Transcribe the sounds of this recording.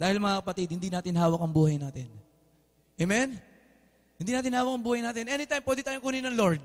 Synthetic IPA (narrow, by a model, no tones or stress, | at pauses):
d̪̥aːhɪlmɐŋakɐpɐt̪ɪd̪̚hɪnd̪inaːt̪ɪnɦhaːwɐkɐŋbuːhɐjnaːt̪ɪn | ʔɛmɛn | hɪnd̪inaːt̪ɪnhaːwɐkɐŋbuːhɐjnaːt̪ɪnʔɛnɪt̪ajmpwɛd̪ɪt̪aːjokuːninɐŋloɹd̪̚